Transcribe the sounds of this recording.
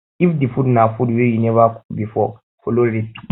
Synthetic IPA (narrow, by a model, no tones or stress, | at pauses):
ifdifudnafudwejinɛvabifɔ̰ | fʰoloɾetu̥